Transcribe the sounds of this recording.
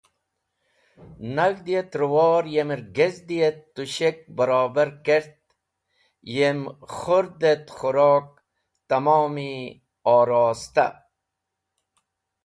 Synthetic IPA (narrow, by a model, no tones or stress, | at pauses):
naɣd̪ijet̪ɾuwɔːɾjemɾɡezd̪ijet̪ːuɕek̚bɐɾɑːbaɾkeɾt̪̚ | jemχoɾd̪et̪χuɾɔːk̚ | t̪ɐmoːmi | ɔːɾɑːst̪a̰